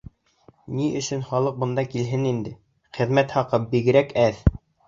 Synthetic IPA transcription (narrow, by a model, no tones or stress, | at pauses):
niʔɵ̆ʃɵnχɑlˠɤq̚bŏnd̪ɑkilɦɘnind̪ɘ | χɘ̆ðmæt̪hɑqɤp̚biɡɘ̆ɾækæð